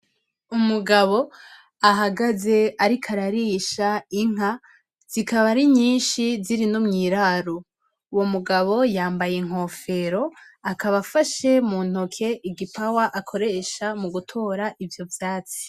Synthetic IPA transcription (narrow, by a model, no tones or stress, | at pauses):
umuɡaβo̞ | aɦaɡaze̞aɾikʰaɾaɾiʃaiŋ̥a | z̥ikaβaɾiɲiːnʃiziɾinomŋiːɾaɾo | uwo̞muɡaβo̞jaːmbajeŋ̥ɦo̞ːfe̞ɾo̞akaβafaʃe̞mun̥okʰe̞ʔiɡipawaʔakʰo̞ɾe̞ʃamuɡutʰo̞ːɾaʔivjo̞vjaːt͡si̥